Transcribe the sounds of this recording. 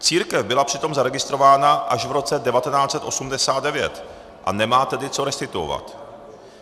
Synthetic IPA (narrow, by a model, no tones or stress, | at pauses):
t͡siːɾkɛvbɪlapr̥ɪt̪o̞mzaɾɛɡɪst̪ɾo̞vaːnaʔaʒvɾo̞t͡sɛdɛvat̪ɛnaːt͡sɛt̪ʔo̞sumdɛsaːt̪̚dɛvjɛ̰t̪ | ʔa̰nɛmaːt̪ɛdɪt͡so̞ɾɛst̪ɪt̪uo̰va̰t̪